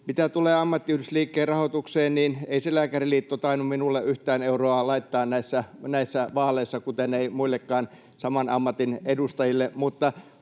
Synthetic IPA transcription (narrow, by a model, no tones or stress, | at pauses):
mit̪æt̪uleːɑmːɑt̪ːiyhdysliːkːeːrrɑhot̪ukseːnniːneiselæːkæriliːt̪ːot̪ɑinumminulːeʔyht̪æːneuroɑlɑit̪ːɑːnnæisːænæisːæʋɑːleisːɑkut̪eneimuilːekːɑːn | sɑmɑnɑ̰mːɑt̪inedust̪ɑjilːemut̪ːɑ